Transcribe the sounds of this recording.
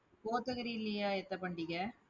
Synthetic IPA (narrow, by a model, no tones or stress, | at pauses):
poːt̪ːɐɣɐɾilːijaːɛt̪ːɐpɐɳɖɪɣɐ